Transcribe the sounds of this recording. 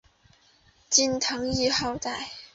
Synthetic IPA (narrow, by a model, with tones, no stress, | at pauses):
t͡ɕi˥˧nt̪ʰɤ˧˥ŋi˥˧xɑ˥˧ʊt̪a˥˩ɪ